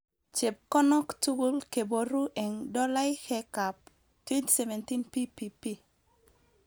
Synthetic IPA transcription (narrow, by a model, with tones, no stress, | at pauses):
t͡ʃe˨p̚kɔ˦nɔ˦ktu˦ɡu˦lke˨bo˨ɾu˦ʔɛ˨ŋdɔ˦la˦jhɛ˦ka˨p̚ | twe˦nti̥se˨vɛ˨nti˦npi˦pi˨pi˦